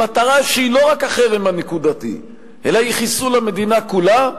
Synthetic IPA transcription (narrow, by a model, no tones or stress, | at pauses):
at̪aʁaʃeilo̞ʁakaχeʁimanekud̪at̪ḭ | ʔelaiχisulame̞d̪inakula